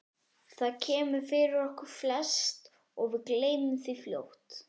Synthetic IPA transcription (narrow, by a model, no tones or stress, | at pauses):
θaðcʰɛːmʏfɪɾɪɾɔhkʏɾ̥flɛst̪ | ɔɣvɪðkleːjnʏmθifljo̰wht̪